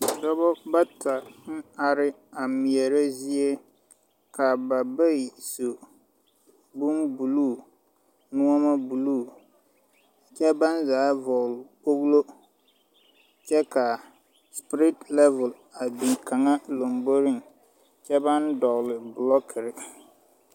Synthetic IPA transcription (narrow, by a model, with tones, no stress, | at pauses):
dɔ˦bɔ˦ba˦tʰa˨n̩˦a˨ɾɪ˦ | a˨mi˨ɛ˨ɾa˦zi˦e˦ | ka˨ba˨ba˦i˨so˨ | bu˦mbu˨luː˦˨ | nʊ̃˦ɔ˦ma˦bu˨luː˦˨ | t͡ʃɛ˦ba˦nzaː˨˦vɔ˨ɣlko˦ɣlo˦ | t͡ʃɛ˦ka˨ | spɾɪ˦tlɛ˦vɛ˨l | a˨bi˨ka˨ŋa˦lo˨mbo˦ɾi˦ŋ | t͡ʃɛ˦ba˦ndɔ˨ɣlɪ˨blɔ˦kʰɪ˨ɾɪ˨